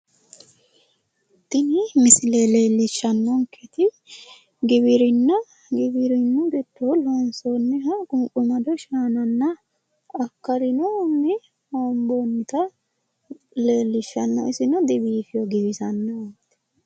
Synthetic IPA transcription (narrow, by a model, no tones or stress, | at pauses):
t̪ːɪnɪmɪsɪleleːlːɪʃːɐnːɔŋkʰɛt̪ɪ | ɡɪbɪɾɪnːɐ | ɡɪbɪɾɪnːʊɡɛt̪ːolonsonːɛɦɐɡʼʊmkʼʊmɐd̪ɔʃaːnɐnːɐ | ɐkːɐɾɪnonːɪ | ambonːɪt̪ɐ | le̞ːlːɪʃːɐnːɐ̰ɪsɪnɐd̪ɪbiːfɪjɔɡɪbɪzɐnːɐnt̪ːɛ̥